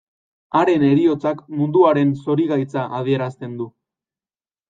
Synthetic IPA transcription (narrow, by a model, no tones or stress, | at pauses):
aɾe̞ne̞ɾio̞t͡sakmund̪uaɾe̞nso̞ɾiɣajt͡saʔað̞ie̞ɾast̪e̞nd̪u